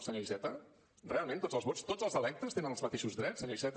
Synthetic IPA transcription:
səɲoizɛt̪ə | realˠmẽnt̪od͡zzəlˠzβot͡st̪od͡zəlˠzəlɛk̚t̪əst̪enənəlˠzmət̪eʃuzðɾɛt͡ssːəɲoizɛt̪

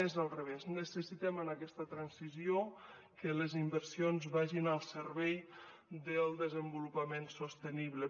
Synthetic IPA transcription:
ezəlˠrəβ̞eznəsəsit̪ɛmənakɛst̪ət̪ɾansizio | kələzimbəɾsionzβaʒinəlˠsəɾβɛj | d̪əlˠd̪əzəmbulupəmensost̪əniβlə

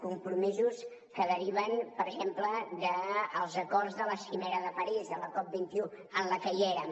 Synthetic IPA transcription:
kumpɾumizus | kəðəɾiβənpəɾʒempləd̪əːlˠzəkɔrzðələsimɛɾəðəpəɾizðələkɔp̚bint̪iu | ənləkəʎeɾə

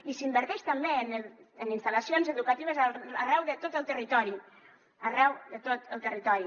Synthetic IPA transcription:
isimbəɾt̪ɛʃt̪ambeənəninst̪alɐsionzəðukat̪iβ̞əzaarɛwðət̪ot̪əlˠt̪ərit̪ɔɾi | arɛwðət̪ot̪əlˠt̪ərit̪ɔɾi

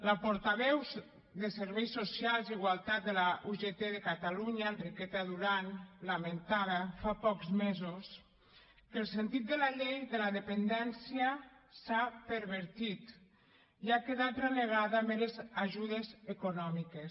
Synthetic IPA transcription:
lapoɾt̪aβɛwz | d̪eseɾβɛjsːosjalˠziɣwalˠt̪at̪̚d̪elaʔuʒet̪eðekat̪aluɲanrikɛt̪aðuɾanlament̪aðafapɔkzmezos | kəlˠsent̪it̪̚d̪əlaʎejðelaðepend̪ɛnsjasapəɾβəɾt̪it̪ | iakeðat̪reneɣ̞aðamelezaʒuð̞ezekonɔmikes

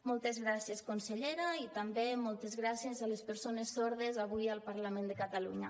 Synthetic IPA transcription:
mɔlˠt̪ezɣɾasjeskonseʎeɾait̪ambemɔlˠt̪ezɣɾasjezalespəɾsonesːoɾðezaβujalˠpaɾlamẽnd̪əkat̪aluɲa

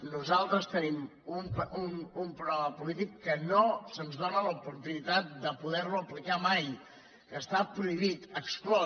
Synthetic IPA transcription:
nuzalˠt̪ɾəst̪ənim | umpunumpɾuɾaməpulit̪ikːənosənzðonələupuɾt̪unit̪at̪̚d̪əpuðɛɾmuəplikamaj | kəst̪apɾuiβ̞it̪əksklɔ

